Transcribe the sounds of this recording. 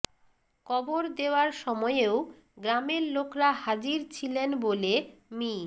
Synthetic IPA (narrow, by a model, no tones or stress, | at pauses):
kɔboɾd̪eoaɾʃɔmɔeeo | ɡɾameɾlokɾaɦad͡ʑiɾt͡ɕʰilenbolemi